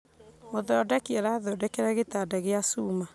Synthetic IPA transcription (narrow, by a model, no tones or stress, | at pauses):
moðɔdɛkeaɾaðɔdɛkeɾɛɣetadɛɣeasuma